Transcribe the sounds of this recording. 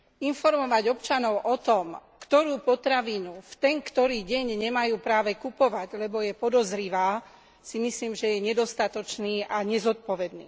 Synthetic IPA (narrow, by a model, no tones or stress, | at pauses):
infɔɾmɔʋaɟɔpt͡ʃanɔʊʔɔt̪ɔmkt̪ɔɾuːpɔt̪ɾaʋiːnuft̪ɛŋkt̪ɔɾiːɟɛɲɲɛmajuːpɾaːʋɛkupɔʋaɟlɛbɔjɛpɔd̪ɔzɾiʋaː | simisliːmʒɛjɛɲɛd̪ɔst̪at̪ɔt͡ʃniːʔaɲɛzɔt̪̚pɔʋɛd̪nḭː